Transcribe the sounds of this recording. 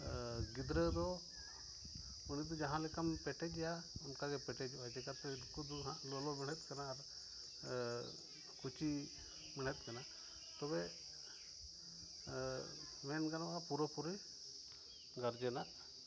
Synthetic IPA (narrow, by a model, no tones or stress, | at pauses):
ɡid̪ɾəd̪ɔ | unid̪ɔd͡ʒaɦãlikampɛʈɛd͡ʒjaunkaɡɛpɛʈɛd͡ʒbad͡ʒɛkat̪ɛɾukud̪uɦalɔlɔbɛɽ̤̃ɛt̪̚kanaːɾ | kut͡ʃi | mɛɳ̤̃ɛt̪̚ˀkana | t̪ɔbɛ | mɛnkanabapuɾɔpuɾi | ɡaɾd͡ʒɛnaʔ